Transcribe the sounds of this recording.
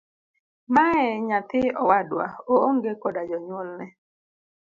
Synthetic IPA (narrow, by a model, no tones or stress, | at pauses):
maɛɲat̪ɪɔwadwa̰ooŋɡekɔdad͡ʒɔɲwɔlnɛ